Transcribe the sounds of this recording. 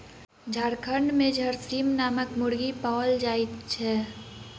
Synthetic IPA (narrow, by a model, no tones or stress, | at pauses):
d͡ʒʱaɾkʰəɳɖmẽd͡ʒʱəɾsiːmnaːməkmʊɽɡipaːld͡ʒaːit͡ʃʰɛː